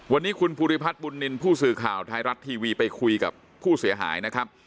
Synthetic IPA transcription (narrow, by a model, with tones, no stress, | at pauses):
wa˧nːiː˦˥kʰu˧npʰuː˧ɾi˦˥˩pʰa˦˥t̪̚bu˧nːi˧npʰuː˥˩sɯː˨˩kʰaː˨˩wt̪ʰaː˧jɾa˦˥t̪ʰːiː˧wiː˧pa˧jkʰu˧jka̰˨˩pʰːuː˥˩si˩˦ɐɦa̰ː˩˦jna˦˥kʰɾa˦˥p̚